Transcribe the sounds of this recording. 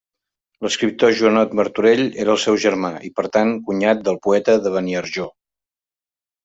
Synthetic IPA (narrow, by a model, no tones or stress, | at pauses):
ləskɾip̚t̪oʒuənɔt̪məɾt̪uɾeʎeɾəːlˠsɛwʒəɾmaʔipəɾt̪aŋkuɲat̪̚d̪əlˠpuɛt̪əðəβəniəɾʒo